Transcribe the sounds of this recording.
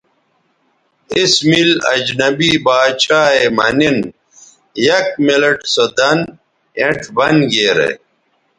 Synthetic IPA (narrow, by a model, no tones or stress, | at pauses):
ismilɐ̰d͡ʑnɐbibaːt͡ɕaːemɐnin | jɐk̚mileʈsod̪ɐn | ẽʈbɐnɡeːɾḛ